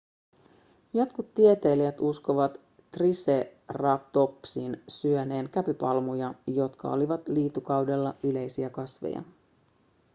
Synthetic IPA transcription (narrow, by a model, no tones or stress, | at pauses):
jo̞t̪kut̪ːie̞t̪e̞ːliæt̪usko̞ʋɑt̪ː | rise̞rɑpt̪o̞psiːnsyøne̞ːnkæpypɑlmujɑjo̞t̪kʰɑ̰o̞̰liʋɑt̪liːt̪ːukɑwde̞lːɑyle̞jsiækɑsʋḛjɑ̰